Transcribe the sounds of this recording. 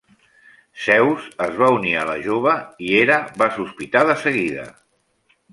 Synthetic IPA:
sɛwzəzβauniələʒoβ̞əieɾəβasuspit̪aðəsəɣiðə̰

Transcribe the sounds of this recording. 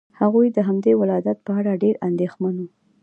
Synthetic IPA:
haɣujd̪əɦamd̪ewɪlɑjd̪at̪̚pəaɽaɖeɾand̪exmanu

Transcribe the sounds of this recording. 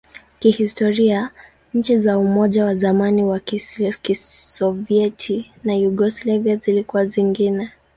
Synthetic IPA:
kihistɔɾia | ɲ̩t͡ʃizaumɔʄawazamaniwakisɔviɛtʰi | najuɡɔslaviazilikuwaziŋɡinɛ

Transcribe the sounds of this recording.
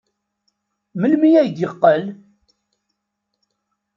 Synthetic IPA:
məlmijæjd̪jəqːəl

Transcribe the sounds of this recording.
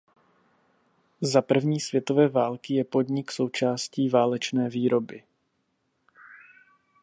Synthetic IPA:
zapr̩vɲiːsv̥jɛt̪o̞vɛːvaːlkɪjɛpo̞dɲɪkso̞wt͡ʃaːsciːvaːlɛt͡ʃnɛːviːɾo̞bɪ

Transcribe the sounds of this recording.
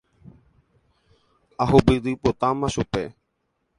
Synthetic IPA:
ahupɨɾɨpot̪amãʃupe

